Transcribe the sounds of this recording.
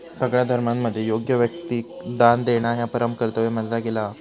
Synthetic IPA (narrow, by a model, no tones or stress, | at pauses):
səɡɭjad̪ʱəɾmamːəd̪ʱːjejoɡjəʋjək̚t̪i | d̪and̪eɽ̃aɦjapəɾəmkəɾt̪əʋeməd̪laɡela